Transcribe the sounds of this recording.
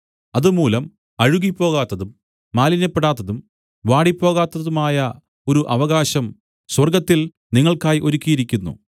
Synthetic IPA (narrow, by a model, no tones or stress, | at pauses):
ɐðumuːlɐm | ɐɻuɣipːo̞ːɣaːt̪ːɐðumː | aːlinɐpːeɽaːt̪ːɐðum | ʋaːɽipːo̞ːɣaːt̪ːɐðumaːjɐ | o̞ɾuʔɐʋɐɣaːɕɐm | swɐrɡɐt̪ːil | niŋːɐɭkaːjiʔo̞ɾukʲːijiɾikʲːunːṵ